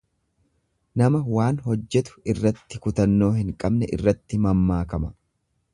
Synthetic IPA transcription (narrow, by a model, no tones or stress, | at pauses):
nɐmɐwaːnɦɔd͡ʒːɛt̪ʊ̥ɪrːɐt̪ːɪkʊt̪ɐnːo̞ːɦɪŋkʼɐbnɛʔɪ̰rːɐt̪ːɪmɐmːaːkɐmɐ